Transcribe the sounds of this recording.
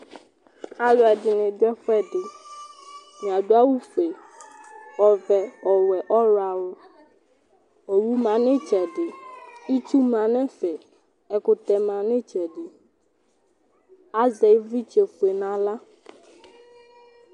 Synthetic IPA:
a˨lɔ˨ɛ˨dɪ˨nɪ̃˨dʊ˦ɛ˦ɸɛ˦ɖɪ˨ | mĩ˨a˨ɖo˦a˦wu˦fe˨ | wɔ˨vɛ˨ɔ˨wɛ˨ʔɔ˦ɾa˨wʊ˦ | ɔ˨wu˦mã˨nɪ̃˦t͡ʃɛ˨ɖɪ˨i˦t͡ʃu˦mã˨nɛ̃˦fɛ˨ | ɛ˨kʊ˨t̪ɛ˨mã˨nɪ̃˦t͡ʃɛ˨ɖɪ˨ | a˦zɛ˨˦vi˦t͡ʃe˨fu˨e˨nã˨la˦

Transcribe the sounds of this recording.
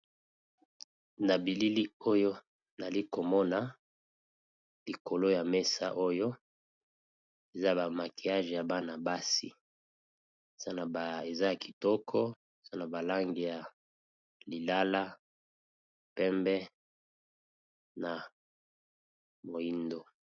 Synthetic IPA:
na˨bi˨li˦li˦o˦jo˦ | na˨li˦ko˨mɔ˦na˨ | li˨ko˨lo˦ja˨mɛ˦sa̰˦ʔo˦jo˦ | e˨za˦˨ba˨ma˨ki˨a˦ʒɛ˨ja˨ba˦na˨ba˦si˦˨ | z̥a˦na˨ba˨e˨za˦a˨ki̥˨tɔ˦kʰɔ˦˨ | z̥a˦na˨ba˨la˦ŋɡi˨ja˨ | li˨la˦la˦ | pɛ˦mbɛ˦ | na˨ | mo˨i˦ndo˨

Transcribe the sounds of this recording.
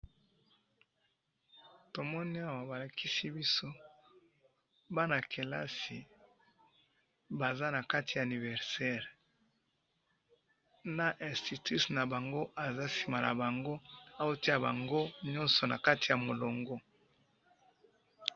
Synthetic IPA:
to˨mɔ˦ni˦a˦wa˨ba˨la˨kʰi˦si˦bi˦so˦ | ba˦na˨kʰe˨la̰˦si˨ | ba˨za˦na˨ka˦ti˨ja˨a˨ni˨vɛ˨ʁsɛ˦ʁ | na˨ʔɛ̃˨sti˨ti˦sna˨ba˨ŋɡo˦a˨za˦si˨ma˨la̰˨ba˨ŋɡo˦a˦jo˦ti˦ja˨ba˨ŋɡo˦ɲɔ˦nsɔ˨na˨ka˦ti˨ja˨mo˨lo˨ŋɡɔ˦

